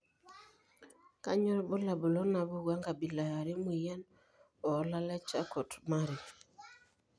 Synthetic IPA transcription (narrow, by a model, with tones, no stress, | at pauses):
ka˦ɲɔ˦ɾbo˦la˨bu˨lɔ˦na˨bo˦ɡwa˦ŋɡa˨bi˨la˨ja˨ɾe˦mwi˨ja˦n | ɔ˨˦la˦lɛ˦t͡ʃa˦kɔ˨tma˦ɾi˨